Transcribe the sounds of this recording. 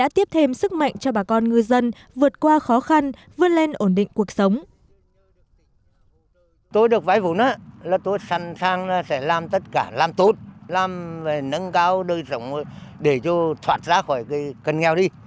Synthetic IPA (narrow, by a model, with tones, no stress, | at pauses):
a̰ː˧˥t̪i˦˥əp̚t̪ʰe˧msɨ˦˥k̚ma̰˧˨jŋ̟t͡ɕɔ˧ɓaː˨˩kɔ˧nŋɨ˨˩əjzə˧n | vɨ˨˩ət̚kwaː˧xɔ˨˦xa˧nvɨ˨˧˩ənle˧nʔo˧˩nɗḭ˧˨ŋ̟ku˨˩ək̚sə˨˦wŋ͡m | t̪o˧jɗɨ˨˩ək̚vaː˧˦jvu˧˩nəː˨˦laː˨˩t̪o˧jsa˨˩ŋsaː˧ŋlaː˨˩sɛ̰˧˥laː˨mt̪ə˦˥t̚kaː˧˩laː˨˧mt̪u˨˦t̚laː˨˩mve˨˩nə˧nkaː˧wɗəː˧jsə˧˩wŋ͡mjɗe˧˩t͡ɕɔ˧t̪ʰwaː˨˩t̚zaː˧˦xɔ˧˩jka˨˦jkə˨˩nŋɛ˨˩wɗi˧